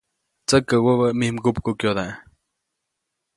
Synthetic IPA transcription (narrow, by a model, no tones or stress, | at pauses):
t͡səkːəwəβəmihmɡup̚kukjod̪aʔ